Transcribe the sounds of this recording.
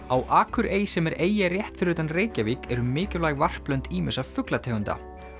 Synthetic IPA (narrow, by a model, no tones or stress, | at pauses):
awʔaːkʰʏɾeːjsɛmɛɾeːjarjɛht̪fɪɾʏt̪anreːjcaviːkɛɾʏmɪːcɪɾlaːjɣvar̥plœɥnt̪ʰiːmɪsavfʏklat̪ʰɛːɣʏnt̪a̰